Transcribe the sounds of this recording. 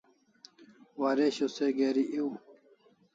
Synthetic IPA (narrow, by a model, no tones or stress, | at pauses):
waːɾeɕoseɡeːɾiʔiw